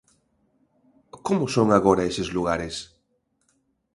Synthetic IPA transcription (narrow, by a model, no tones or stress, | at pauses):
komʊsoŋaɣ̞oɾaesezluɣaɾes